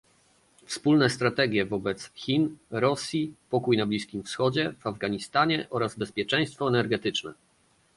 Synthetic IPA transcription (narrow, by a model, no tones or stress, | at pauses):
fspulnɛst̪ɾat̪ɛɡʲjɛvɔbɛt̪sxʲinɾɔsʲjipɔkujnablʲiskʲimfsxɔd͡ʑɛv̥avɡaɲist̪aɲɛʔɔɾazbɛspʲjɛt͡ʂɛ̃j̃st̪fɔɛnɛɾɡɛt̪ɘt͡ʂnɛ̰